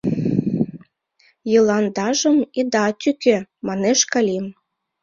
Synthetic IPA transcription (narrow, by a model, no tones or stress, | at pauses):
jɤlˠɑnd̪ɑʒə̆mid̪ɑt̪ʲykemɑneʃkɑlʲim